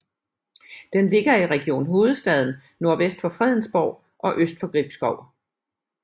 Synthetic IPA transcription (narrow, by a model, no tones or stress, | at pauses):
d̥enle̝ɡ̥ɐiʁɛɡ̥io̝̰ːnɦo̝ːð̞̩ˠsd̥ɛð̞̰ˠn̩ | no̝ɐʋesd̥fɒ̽fʁɛð̰ˠn̩sb̥ɒʊ̰ | ʔɒ̽ʔøsd̥fɒ̽ɡ̥ʁib̥sɡ̥ɒʊ̰